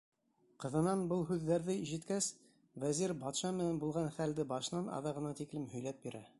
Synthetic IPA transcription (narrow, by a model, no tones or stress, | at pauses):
qɤ̆ðɤ̆nɑnbɤlˠɦʉðːæɾðɘiʒĭt̪kæs | væziɾbɑt̪ʃɑmɘ̆nænbulˠʁɑnχæld̪ɘbɑʃɤ̆nɑnɑ̰ðɑʁɤ̆nɑt̪iklɘmhɵ̆jlæp̪̚biɾæ